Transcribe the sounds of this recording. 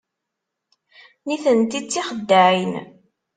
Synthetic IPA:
niθənt̪it͡sːiχəd̪ːaʕin

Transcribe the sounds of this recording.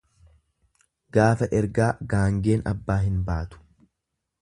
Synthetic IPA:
ɡ̥aːfɐʔɛɾɡaːɡaːŋɡe̞ːnɐ̰bːaːɦɪnbaːt̪ʊ̥

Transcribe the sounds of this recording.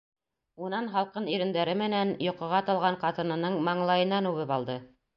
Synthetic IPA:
unɑnɦɑlˠqɤniɾɘ̆nd̪æɾɘmɘ̆nænjŏqɤ̆ʁɑt̪ɑlˠʁɑɴqɑt̪ɤ̆nɤ̆nɤɴmɑɴlˠɑjɤ̆nːɑnʉβɘpɑlˠd̪ɤ

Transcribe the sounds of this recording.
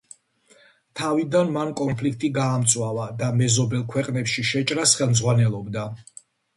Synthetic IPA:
t̪ʰavid̪anmankʼɔnpʰlik̚ʰt̪ʼiɡaːmt̪sʼwavad̪amɛzɔbɛlˠkʰwɛqʼnɛpʃiʃɛt͡ʃʼɾasχɛlˠmzʁwanɛlˠɔbd̪a

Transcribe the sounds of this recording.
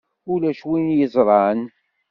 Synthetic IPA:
ʊlæʃwinjəzˤɾˤɑn

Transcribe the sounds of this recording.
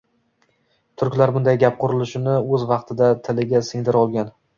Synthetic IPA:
t̪ʰʊɾkʲlaɾbʊnd̪ajɡʲap̚qʰʊɾɪlɪʃɪnɪɵzvɑqt̪ʰɪd̪at̪ʰɪlɪɡʲasɪŋd̪ɪɾɒlˠɡʲan

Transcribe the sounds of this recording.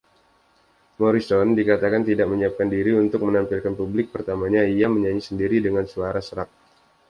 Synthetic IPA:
mɔɾisɔndikat̪akant̪idak̚məɲiap̚kandiɾiunt̪ʊk̚mənampɪlkanpublɪk̚pərt̪amaɲaijaməɲaɲisəndiɾidəŋansuaɾasəɾak̚

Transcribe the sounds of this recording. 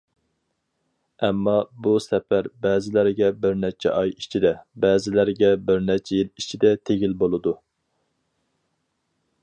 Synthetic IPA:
ɛmːɑbusɛfæɾbɛːzɪlæɾɡʲɛbɪɾnɛt͡ʃʰɛ̰ʔɑjit͡ʃʰid̪ɛbɛːzɪlæɾɡʲɛbɪɾnɛt͡ʃʰɛjilit͡ʃʰid̪ɛt̪ʰeɡʲilbolˠɨd̪u

